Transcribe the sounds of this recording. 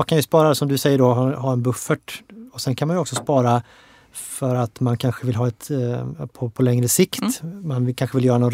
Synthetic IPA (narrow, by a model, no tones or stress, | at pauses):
kʰanjɵspɑːɾasɔmd̪ɵsɛjːəɖɔɦɦɑːɛnbɵfːəʈɔsɛnkʰanmanjʏɔksɔspɑːɾa | fœɾat̪mankʰanɧəvɪlɦɑːɛt̪pʰɔpʰɔlɛŋɾəsɪkt̪manɪkʰanɧəvɪljœːɾanɔn